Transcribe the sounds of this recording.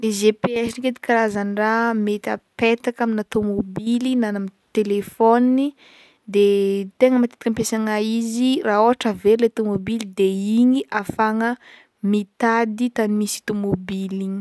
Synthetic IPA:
lezepeɛsiniked̪i̥kaɾazaniramet̪a̰pet̪akaminat̪omobilinanamint̪elefonini | d̪et̪eŋəmat̪et̪ikəmpesaŋaiziraoɦaʈ͡ʂəveɾilet̪omobilid̪eiɲiʔafaŋə | mit̪ad̪it̪animisi̥t̪omobiliɲi

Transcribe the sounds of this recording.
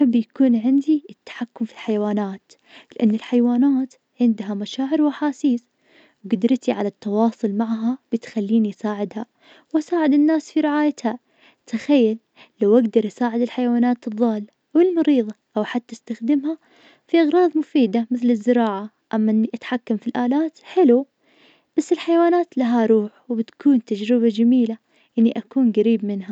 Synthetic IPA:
bːjakuːnʕɪnd̪iɪt̪ːḁħakːʊmfilħajwaːnaːt̪ | lɪʔanːɪlħajwaːnaːt̪ | ʕɪnd̪ɦamaʃaːʕɪɾwʔaħaːsiːs | wɡɪd̪ɾˤt̪iʕa̰lat̪ːɑwɑːsˤʊlmaʕɦab̥ɪt̪xalːiːniʔsaːʕɪd̪ha | wʔasaːʕɪd̪ɪnːaːsfiɾɪʕaːjat̪ha | t̪axajːalː | awʔaɡd̪ɑɾˤʔasaːʕɪd̪ɪlħajwaːnaːt̪ɨðˤːɑːl | ʔawɪlmɑɾiːðˤɑʔawħat̪ːɪst̪axd̪ɪmha | fiʔɑɣɾˤɑːðˤmʊfiːd̪amɪθlɪzːɪɾɑːʕa | ʔamːaʔɪnːiʔat̪ħakːamfilʔaːlaːt̪ħɪlu | b̥asːɪlħajawaːnaːt̪laɦaɾˤuːħwbɪt̪kʰuːnt̪ad͡ʒɾɪβad͡ʒamiːla | ʔɪnːiʔakuːnɡaɾiːbmɪnɦa

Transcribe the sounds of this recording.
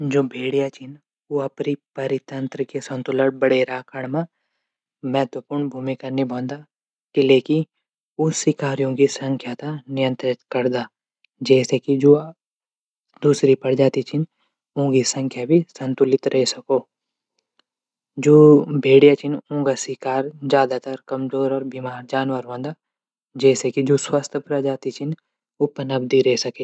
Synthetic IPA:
d͡ʒoːbʱeːɽjat͡ʃɪn | oɐpɾipɐɾɪt̪ə̃nt̪ɾəkesɐ̃nt̪ʊləɽ̚bɐɽeɾaːkaɽmã | mɛɦt̪wəpuːɾɳbʱuːmikanibʱɔ̃ːnd̪a | kileːki | ʊsɪkaːɾijõkisə̃ŋkʰjat̪anɪjə̃nt̪ɾɪt̪kɐɾd̪aː | d͡ʒɛːsekid͡ʒoː | d̪uːsɾipɐɽd͡ʒaːt̪it͡ʃʰin | ũːɡisɐ̃ŋkʰjabʱisɐ̃nt̪ʊlɪt̪ɾʔɛɦsɐkoː | d͡ʒoːbʱeːɽijat͡ʃʰɪnũːɡasɪkaːɾd͡ʒjaːd̪at̪ɐɾkɐmzoːɾɔːɾbimaːɾd͡ʒaːnwəɾʋə̃nd̪a | d͡ʒɛːsekid͡ʒoːswaːst̪ʰəpɾəd͡ʒaːt̪it͡ʃʰin | ʊpənɐb̚d̪iɾɛɦsɐke

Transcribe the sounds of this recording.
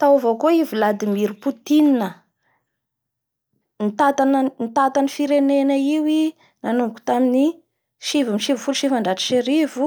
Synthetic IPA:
t̪awavokoivilad̪imiɾuput̪ininə | nit̪at̪anənit̪at̪anifiɾenenəiwi | nanuku̥t̪amini | ʃivimiʃivfulʃivaɳɖ͡ʐaʈ͡ʂi̥ʃeɾivu

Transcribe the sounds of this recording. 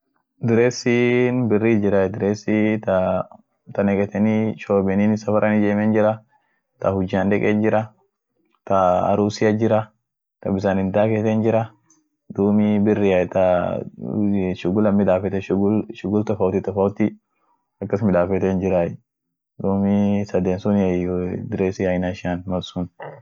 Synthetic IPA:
d̪ɪɾeːsinbɪrːid͡ʒɪɾajɛd̪ɪɾeːsit̪ɐ | t̪ɐnɛkʼɛt̪ɛniʃoːbɛninsɐfɐɾʔɐnɪd͡ʒeːmɛnd͡ʒɪɾɐ | t̪ɐhʊd͡ʒaːnᶑ̪ɛkʼend͡ʒɪɾɐ | t̪ɐɐ̰ɾuːsɪjɐd͡ʒɪɾɐ | t̪ɐbɪsanɪnd̪aːkɛt̪ɛnd͡ʒɪɾɐ | d̪uːmibɪrːɪɐt̪ɐ | ʃʊɡʊlɐmɪd̪aːfɛt̪ɛɡʃʊɡʊlt̪ɐfɐwt̪ɪt̪ɐfɐʊt̪i | ɐkːɐsmɪᶑaːfɛt̪eːnd͡ʒɪɾaj | d̪uːmisɐd̪eːnsʊnɐjd̪ɪɾeːsɪɐjnaʃɪaːnmɐsun

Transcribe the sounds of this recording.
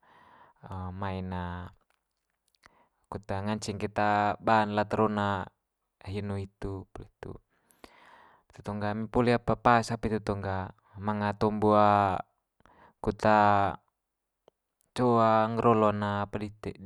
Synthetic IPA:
əmaina | kut̪aŋaɲt͡ʃiŋkɛt̪abanlat̪ɾɔna | ɦinuit̪upɔlit̪ṵ | t̪u̥t̪ɔŋɡamipɔliapapasapit̪ut̪ɔŋɡa | maŋat̪ɔmbua | kut̪a | t͡ʃɔaŋɾʔɔlɔnaːpadit̪ɛ̰

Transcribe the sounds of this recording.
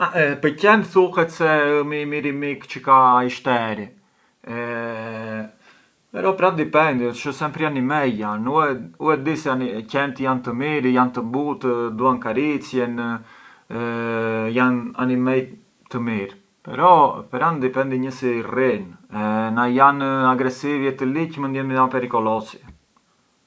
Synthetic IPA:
apəcɛnt̪θuhɛt̪sɛəmimiɾimikt͡ʃəkaiʃt̪ɛɾi | ɛ | pɛɾɔpɾand̪ipɛnd̪iʃɔsɛmpɾianimɛjjanuɛuɛd̪isanicɛnt̪jant̪əmiɾjant̪əmbut̪əd̪uankaɾit͡sjɛn | jana̰nimɛj | t̪əmiɾ | pɛ̰ɾɔpɾand̪ipɛnd̪iɲəsirinɛnajanaɡɾɛsivjɛt̪əlicmənd̪jɛnmiapɛɾikɔlɔsi̥

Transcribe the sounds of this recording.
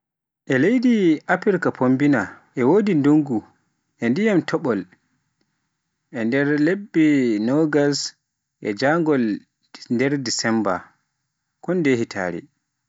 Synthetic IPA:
ʔɛlejdiʔapiɾkapʰombinaʔɛwodindoŋɡu | ʔɛndijamtʰɔɓɔl | ʔɛndɛɾlebːinɔɡas | ʔɛ̰d͡ʒaŋɡɔl | ndɛɾdisɛmba̰ | kɔndehitʰa̰ːɾḭ

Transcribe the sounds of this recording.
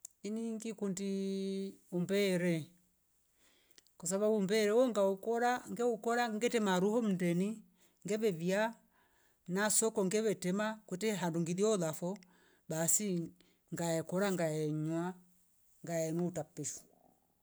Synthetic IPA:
iniŋɡikundi | umbɛɾɛ | kɔs̬aβaumbɛɾɛwɔŋɡaukɔɾaŋɡɛukɔɾaŋɡɛtɛmaɾuhɔm̩ndɛni | ŋɡɛβɛβia | nasɔkɔŋɡɛβɛtɛmakwɛtɛɦanduŋɡiðiɔðafɔ | basi | ŋɡaɛkɔɾaŋɡaɛɲwa | ŋɡaɛnuutapːisu̥

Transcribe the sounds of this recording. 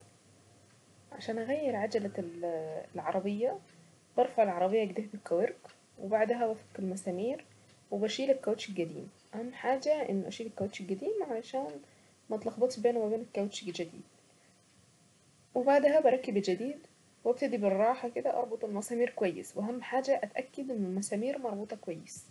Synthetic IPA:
ʕaʃæːnʔæɣæjːeɾʕad͡ʒælæ | lʕɑɾˤɑbejːæ | b̥ɑɾˤfɑʕelʕɑɾˤɑbejːɑʔæɡd̪ehæbekːæweɾk | webaʕd̪ɦæbæfɑkelmæsæːmiːɾ | webæʃiːlekːæweʃilɡæd̪ḭːmʔæhæmːħaːd͡ʒæʔḛnːʔæ̰ʃiːlækːæweʃilɡæd̪iːmʕalæʃæːn | mæt̪lɑxbɑt̪ʃbeːnumæbeːnekːæweʃɡd͡ʒæd̪ḭːd̪̥̚ | webaʕd̪hæbæɾˤɑkːebd͡ʒæd̪iːd̪ | wʔæb̚t̪æd̪iberˤːɑːħɑked̪æʔɑ̰ɾˤbot̪ˤelmæsæːmiːɾkowæjːḛsweʔæɦæmːħaːd͡ʒæʔæt̪ʔækːed̪ʔenːelmæsæːmiːɾmɑɾˤbuːt̪ˤɑkowæjːes

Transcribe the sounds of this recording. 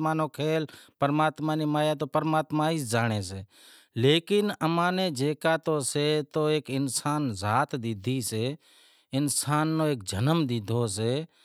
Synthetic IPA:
maːnõːkʰeːlpəɾmaːt̪maːniːmaːjaːt̪̬oːpəɾmaːt̪mãːiːsd͡ʒaːɽ̃eːseː | leːkɪnəmãːnẽːd͡ʒeːkaːt̪oːseːt̪oːeːkɪnsaːnzaːt̪d̪ɪd̪ʱiːseː | ɪnsaːnːõːeːk̚d͡ʒʱənəmd̪ɪd̪ʱoːs̬eː

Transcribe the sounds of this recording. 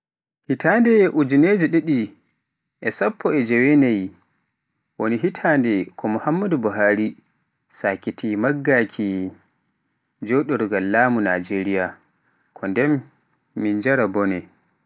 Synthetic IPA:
hitʰandɛʔud͡ʒined͡ʒiɗeɗi | ʔɛsapːɔɛd͡ʒɛwɛnaj | woniɦitʰandɛkʰɔmuhamːadubuɦaːɾi | sakitimaɡːakʰi | d͡ʒɔɗɔɾɡalːamuna̰d͡ʒeɾija | kʰɔndɛmː | ind͡ʒaɾabɔnɛ

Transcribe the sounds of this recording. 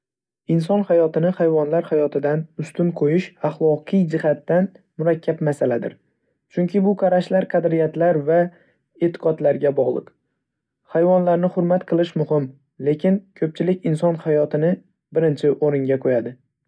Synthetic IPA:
ɪnsɒnhajɒt̪ɪnɪhajvɒnlaɾhajɒt̪ʰɪd̪anʊst̪ʊmqʰojɪʃaχlˠɒqʰɨjd͡ʒɪhat̪ːan | mʊɾakʲʰːapmasalad̪ɪ̰ɾ | t͡ʃʰʊŋkʲʰɪbʊqʰɑɾaʃlaɾqʰɑd̪ɾɪjat̪laɾva | et̪ʰɪ̥qɒt̪laɾɡʲabɒʁlˠɨ̰q | hajvɒnlaɾnɪχʊɾmat̪qʰɨlˠɪʃmʊhɪm | le̞kʲɪnkʲʰɵp̚t͡ʃʰɪlɪkʲɪnsɒnhajɒt̪ʰɪnɪ | bɪɾɪnt͡ʃʰɪʔoɾɪŋɡʲaqʰojad̪ɪ

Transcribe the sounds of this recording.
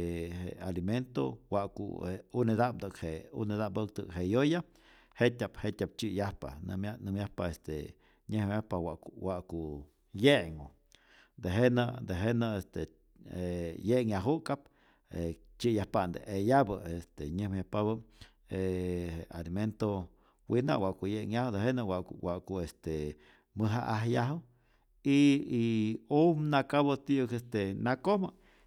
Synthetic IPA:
hḛaliment̪o̰waʔkṵeuned̪ap̚d̪ɨkheṵned̪apb̪ək̚t̪ɨ̰kɦejoja | het̪ʲaphet̪ʲap̚t͡ʃijahpa̰nɨ̰mjanɨmjahpaest̪ḛ | ɲehjahpawakwaʔku | jeʔŋo | d̪eɦenad̪eɦenaest̪e | ejeŋaɦukap̚ | e | t͡ʃijahpand̪eʔejabəest̪eɲɨhmjapaβə | eealiment̪o | wina̰ʔwaʔkujeʔŋjahud̪eɦenawawaʔkuest̪e | mɨɦa̰ʔahjaɦu | iiumnakabot̪iukest̪enakomə

